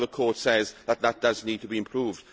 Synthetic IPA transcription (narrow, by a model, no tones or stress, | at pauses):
ðəkʰɔːˑtsɛzðət̪̚ðət̚d̥əzniːd̚tʰəbiɪ̃mpʰɹ̥uːvd̥